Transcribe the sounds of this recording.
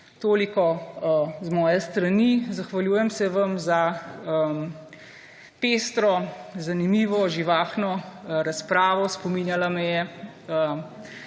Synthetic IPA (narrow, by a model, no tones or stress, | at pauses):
t̪oːlikɔ | zmɔːjɛst̪ɾɐnizaxʋɐljuːjɛmsɛʋɐmzaə | peːst̪ɾɔzanimiːʋɔʒiʋaːxnɔɾaspɾaːʋɔspɔmiːnjalamɛjɛ | ə